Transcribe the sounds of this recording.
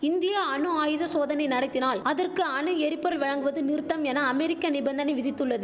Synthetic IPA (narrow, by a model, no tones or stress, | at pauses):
ɪnd̪ɪjaɐɳɯaːjɯðɐsoːðɐnɐɪnɐɽɐɪt̪ːɪnaːlɐðɐrkɯɐɳɯɛɾɪpːɐɾɯlʋɐɻɐŋɡɯʋɐðɯnɪɾt̪ːɐmɛnɐːmɛɾɪkːɐnɪbɐnd̪ɐnɐɪʋɪðɪt̪ːɯɭːɐðɯ